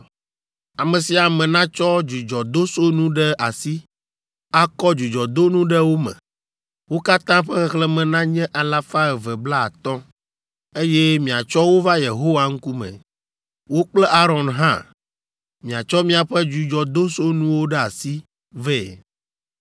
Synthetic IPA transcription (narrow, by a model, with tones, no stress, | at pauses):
a˨mɛ̃˨si˨a˨mɛ̃˨nã˦t͡ʃɔ˦d͡ʒu˨d͡ʒɔ˨d̪o˦so˦nũ˦ɖɛ˦a˨si˦ | a˦kɔ˦d͡ʒu˨d͡ʒɔ˨d̪o˦nũ˦ɖɛ˦wo˦mɛ̰̃˨ | wo˦ka˦t̪ã˦ɸɛ˦xɛ˦xlɛ˦mɛ̃˨nã˦ɲɛ̃˦ʔa˨la˦fa˦ɛ˨vɛ˨bla˦a˨t̪ɔ̃˦ | e˦jɛ˦mĩ˨a˨t͡ʃɔ˦wo˦va˦je˨ɦo˦wa˨ŋ̩˦ku˦mɛ̰̃˨ | wo˦k͡plɛ˦ʔa˦ɾɔ̃˨nɦã˦ | mĩ˨a˨t͡ʃɔ˦mĩ˦a˨ɸɛ˦d͡ʒu˨d͡ʒɔ˨d̪o˦so˦nũ˦wo˦ɖɛ˦a˨si˦ | vɛ˦˨